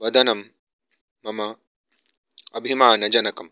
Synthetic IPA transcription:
bɐd̪ɐnɐmː | ɐmɐ | ɐbɦimaːnɐd͡ʒɐnɐkɐm

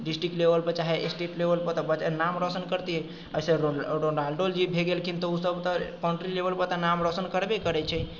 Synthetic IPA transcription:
ɖisʈɾikʈlebəlpət͡ʃaɦɛʔesʈeʈlebəlpət̪ɔbət͡ʃanamɾɔsənkəɾt̪iɦɛ | əsə̃ɾoɾonalɖold͡ʒibʱeɡelkʰint̪ɔusəbt̪ɔkɔɳʈɾilebəlpət̪anamɾɔsənkəɾbekəɾɛt͡ʃʰɛ

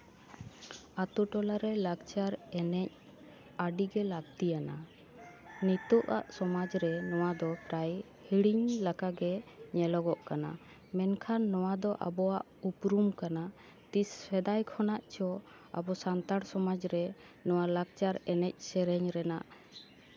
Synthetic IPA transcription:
at̪uʈɔlaɾɛlaɡt͡ʃaɾɛnɛc̚ | aɖiɡɛlaɡ̚t̪ijana̰ | nit̪ɔʔa̰ʔsɔmad͡ʒɾɛnɔwad̪ɔpɾaj | hiɽiɲlakaɡɛɲɛlɔɡɔʔkana̰ | mɛnkʰanːɔwad̪ɔʔa̰bɔwaʔupɾumkana | t̪isfɛd̪ajkʰɔnaʔt͡ʃɔ | a̰bɔsant̪aɽsɔmad͡ʒɾɛ | nɔwalaɡ̚t͡ʃaɾɛnɛc̚sɛɾɛɲɾɛna̰ʔ

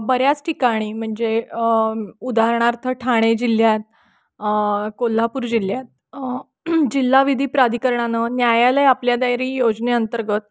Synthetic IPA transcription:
bəɾjat͡sʈʰikaɽ̃iːm̤əɳd͡ze | ud̪ʱaɾɳaɾt̪ʰəʈʰaɽ̃ed͡ʑil̤jat̪̚ | kol̤ːapuːɾd͡ʑil̤jat̪̚ | d͡ʑilːaʋid̪ʱiːpɾad̪ʱikəɾɳanənjajaləjapljad̪ajɾiːjod͡zneənt̪əɾɡət̪̚

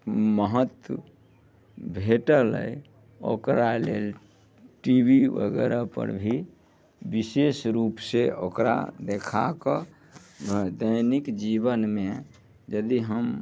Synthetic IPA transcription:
məɦət̪wə | bʱeʈələ̰j | o̰kɾalel | ʈibʱiʋə̰ɡɛɾapə̰ɾbʱi | bisesɾupseʔokɾa̰d̪ekʰakə | bʱəd̪əjnikd͡ʒibənme | d͡ʒəd̪iɦəm

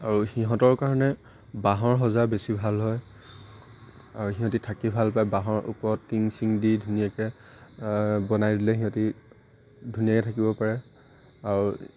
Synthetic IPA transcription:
aɹuxiɦɔ̃tɔɹkaɹɔnɛ | baɦɔɹɦɔzabesibʱalɦɔj | aɹuxiɦɔ̃titʰakibʱalpajbaɦɔɹʔṵpɔɹɔtːiŋsiŋdidʱunijakɛ | bɔnajdilɛxiɦɔ̃ti | dʱunijakɛtʰakibɔpaɹɛ | aɹu

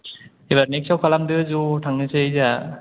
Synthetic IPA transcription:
eβaɾneksawkʰalamdɯzutʰaŋɯsɯza

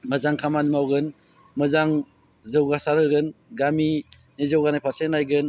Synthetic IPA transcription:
məzaŋkʰamanmawɡɯn | mɯzaŋ | zɯwɡasaɾɯɡɯnɡami | nizɯwɡanajpʰasenajɡɯn

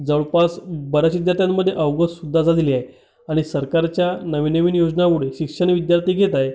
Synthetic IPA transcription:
d͡zəɭpasbəɾəɕid̪ʱjaɾt̪ʰjamːəd̪ʱːjeʔəʋɡəssud̪ʱːad͡zad͡z̪iliːaɦe | aɽ̃isəɾkaɾt͡ɕjanəʋinəʋinjod͡ʑnaʋuɽeɕikʂəɳʋid̪jaɾt̪ʰiːɡʱet̪ae

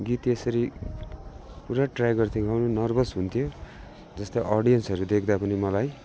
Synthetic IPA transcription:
ɡit̪esʌɾi | puɾaʈrajɡʌrt̪ʰiɡʱawnunʌrbʌsɦunt̪ʰijo | d͡zʌst̪ʌʔʌɽijʌnsʌɾud̪ekʰd̪apʌnimʌlaj

